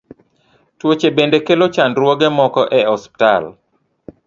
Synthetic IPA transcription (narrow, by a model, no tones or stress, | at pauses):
twot͡ʃebendekelot͡ʃandɾwɔɡɛmɔkɔʔɛɔspi̥tal